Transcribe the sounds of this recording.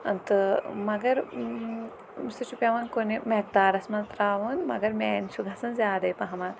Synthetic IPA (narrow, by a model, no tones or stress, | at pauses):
ɐnt̪ɨmɐɡɐɾ | sit͡ʃupʲjɐʋɐnkonimɐk̚d̪aːɾɐsmɐnt̪ɾaːʋunmɐ̰ɡɐɾmʲeːnʃʰuɡɐsɐnzjaːd̪ɐjpɐɦɐmaːl